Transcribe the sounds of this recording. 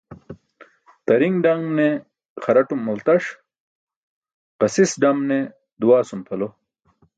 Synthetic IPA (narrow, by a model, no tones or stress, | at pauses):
t̪ɐɾiŋɡɖɐŋne | χɐɾɐʈumːult̪ɐʂ | qɐsisɖɐmne | d̪uwaːsumt̪ʰɐlo